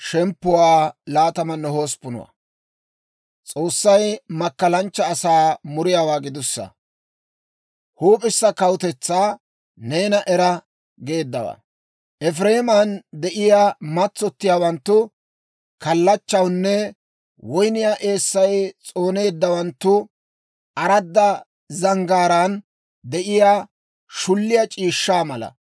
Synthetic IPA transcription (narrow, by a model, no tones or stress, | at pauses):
ʃɛmpːʊwaːlaːt̪ɐmɐnːɛho̞ːspʊnʊ̰wɐ̰ | t͡sʼo̞ːsːɐjmɐkːɐlɐnt͡ʃːɐːsaːmʊɾɪjaːwaːɡɪd̪ʊsːɐ̰ | huːpʼɪsːɐkɐwt̪ɛt͡sːaː | ne̞ːnɐʔɛɾɐ | ɡe̞ːd̪ːɐwa̰ | ʔɛfɾe̞ːmɐnd̪ɛʔɪjaːmɐt͡sːɔt̪ːɪjaːwɐnt̪ːʊ | kɐlːɐt͡ʃːɐwnːɛ | wɔjnɪjaːʔe̞ːsːɐjt͡sʼo̞ːne̞ːd̪ːɐwɐnt̪ːʊ | ʔɐɾɐd̪ːɐ | zɐŋɡaːɾaːn | d̪ɛʔɪjaː | ʃʊlːɪjɐt͡ʃʼiːʃːaːmɐlɐ̰